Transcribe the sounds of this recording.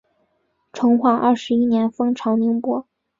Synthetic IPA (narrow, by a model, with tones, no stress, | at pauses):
ʈ͡ʂʰʊ˧˥ŋxwa˥˩ʔɐ˥˩ʂɻ̩˧˥i˥njɛ˧˥nfɤ˥ŋʈ͡ʂʰɑ˧˥ʊni˧˥ŋpwɔ˥